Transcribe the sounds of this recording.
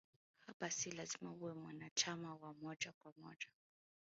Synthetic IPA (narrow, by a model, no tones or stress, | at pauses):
habasilazimaβuɛmwanat͡ʃʰamawamɔt͡ʃʼakʼwamɔ̰t͡ʃʼḁ